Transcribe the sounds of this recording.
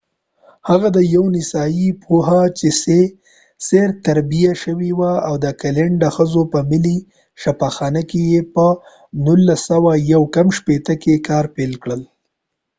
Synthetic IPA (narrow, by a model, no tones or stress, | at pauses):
haɣad̪əjawnɪsɑjipʰuɦat͡ʃese | seɾt̪aɾbijaʃəwiwaawd̪əkaleɳɖəxəzopəmɪli | ʃafaxɑnəkejepə | nulːasːawajawkamʃpet̪əkekɑɾpelkɽəl